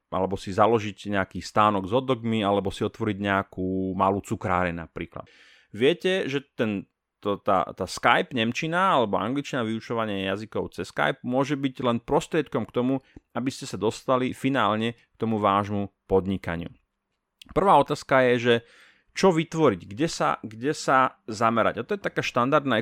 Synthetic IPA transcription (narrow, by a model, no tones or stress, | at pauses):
ʔa̰lɛbɔsizalɔʒiɟɲɛakiːst̪aːnɔɡzɔd̪ɔɡmialɛbɔsiɔt̪ʋɔɾiɟɲɛakuːmaluːt͡sukɾa̰ːɾɛna̰pɾḭːkla̰ | ʋɪɛcɛʒɛt̪ɛn | t̪ɔt̪a̰t̪aːskajbɲɛmt͡ʃinaalɛbɔa̰ŋɡlit͡ʃnaʋiut͡ʃɔʋaɲɪajazikɔʊt͡sɛska̰jb̚mʊɔʒɛbiɟlɛnpɾɔst̪ɾɪɛt̪kɔmkt̪ɔmuabiscɛsad̪ɔst̪alifina̰ːlɲɛk̚t̪ɔmuʋaːʒmupɔd̪ɲika̰ɲɪṵ | pr̩ʋaːɔt̪aːskajɛʒɛ | t͡ʃɔʋit̪ʋɔɾiɟɡɟɛsa̰ɡɟɛsazamɛɾa̰ɟat̪ɔjɛt̪akaːʃt̪and̪aɾd̪naɛ